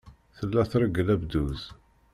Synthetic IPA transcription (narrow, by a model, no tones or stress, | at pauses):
θəlːæθɾˤəɡəlæbd̪uz